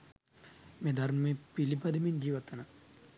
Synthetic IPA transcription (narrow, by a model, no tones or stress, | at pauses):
mẽd̪ɐɾmmẽpilipɐd̪ʱimind͡ʒiːʋɐt̪ɐna